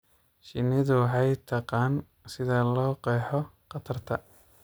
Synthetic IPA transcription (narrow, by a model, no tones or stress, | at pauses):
ʃɪnɪðʊwħɑjt̪ʰɐqɑːn | sɪðɐlɔːqɛːħɔqɑt̪ʰɐrt̪ʰɐ